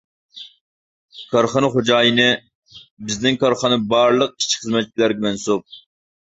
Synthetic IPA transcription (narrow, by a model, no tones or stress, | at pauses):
kʰɑɾχɑnɨχod͡ʒɑːjinɨ | bɪzd̪ɪŋkʰɑɾχɑnɨbɑːɾlˠəq̚i̥ʃʰi̥χəzmɛt̪̚t͡ʃʰʲilæɾɡʲɛmɛnsup̚